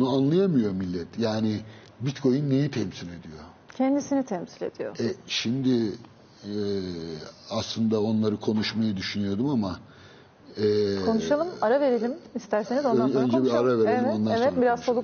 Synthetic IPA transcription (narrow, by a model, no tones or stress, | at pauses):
bunuanlˠajamɯjo̞milʲːɛt̪ʰjaːnɪ | bit̪kʰo̞junːe̞jit̪ʰɛmsilʲe̞d̪ijo̞ | cʰɛnd̪isinit̪ʰɛmsilʲe̞̰d̪̥ijo̰ɛʃimd̪ɪ | ɛ | aslˠɯnd̪ao̞nlˠaɾɯkʰo̞nuʃmajɯd̪yʃynyjo̞d̪umama | ɛːkʰo̞nuʃalˠɯmaɾave̞ɾelʲimist̪æɾsenizoaønd͡ʒɛbiɾaɾaveɾelʲimond̪avɛt̪biɾazt͡ʃʰolˠu